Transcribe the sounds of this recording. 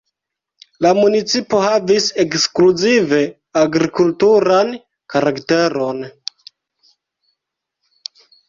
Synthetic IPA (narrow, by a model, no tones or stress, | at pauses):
lamunit͡sipo̞havise̞kskluzive̞ | aɡɾikultuɾan | kaɾakte̞ɾo̞n